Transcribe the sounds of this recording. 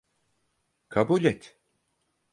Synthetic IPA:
kʰabuːlʲɛt̪

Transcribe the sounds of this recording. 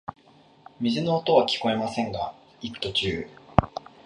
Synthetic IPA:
mʲizɨno̞ːt̪o̞β̞akʲi̥ko̞e̞masẽ̞ŋɡa | it̪ːo̞t͡ɕɨː

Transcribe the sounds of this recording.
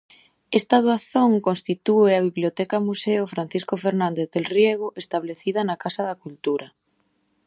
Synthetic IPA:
est̪aðuaθoŋkonst̪it̪ueaβ̞iβljot̪ɛkamuseofɾan̟θiskofeɾnãnd̪eθðelrjeɣ̞oʔest̪aβleθiðɐnakasaðɐkult̪uɾɐ

